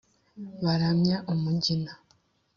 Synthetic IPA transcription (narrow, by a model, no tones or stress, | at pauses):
βaɾamɲaʔumuɟina